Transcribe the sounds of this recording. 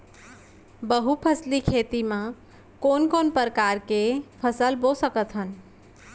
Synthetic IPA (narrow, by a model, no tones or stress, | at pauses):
bəɦupʰəslikʰet̪imã | konkonpəɾəkaɾkepʰəsəlbosəkət̪ɦən